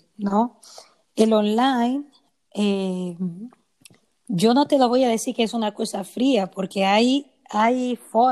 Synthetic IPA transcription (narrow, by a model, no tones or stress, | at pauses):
no | elonlajn | e | d͡ʒonot̪eloβojaðesiɾkeesunakosafɾiapoɾkeaj | ajfo